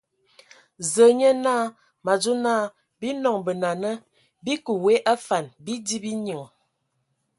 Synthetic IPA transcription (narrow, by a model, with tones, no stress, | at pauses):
zə˨˦ɲə˦naː˦˨ | ma˨d͡ʒu˦naː˦ | bi˦nɔ˨ŋbə˨na˨nə˦ | bi˦ku˨we˨˦ʔa˦fa˨nbi˦di˦bi˦ɲə˨ŋ˨